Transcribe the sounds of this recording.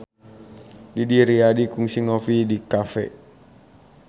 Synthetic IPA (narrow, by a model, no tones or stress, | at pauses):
didiɾiadikuŋsiŋofidikafɛ̰